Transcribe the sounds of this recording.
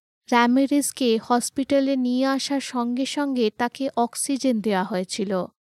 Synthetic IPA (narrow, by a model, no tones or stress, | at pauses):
ɾɛmeɾiskehɔspiʈalenijeaʃaɾʃɔŋɡeʃɔŋɡet̪akeʔɔksid͡ʑend̪eoaɦoet͡ɕʰilo